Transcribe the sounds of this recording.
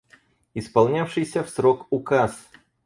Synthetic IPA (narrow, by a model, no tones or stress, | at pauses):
ɪspɐlˠnʲafʂɨjsʲəfsɾokʊkas